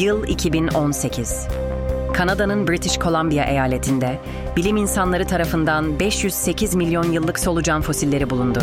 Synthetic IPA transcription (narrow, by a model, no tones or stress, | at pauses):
jɯlˠḭcʰibino̞nse̞cʰiz̥ | kʰanad̪anɯnbɾit̪ʰiʃkʰo̞lˠambijaʔe̞jaːlʲe̞t̪ʰind̪ɛ | bilʲiminsanlˠaɾɯt̪ʰaɾafɯnd̪anbɛʃjyz̥se̞cʰizmilʲjo̞njɯlˠːɯkso̞lˠud͡ʒanfo̞silʲːe̞ɾibulˠund̪u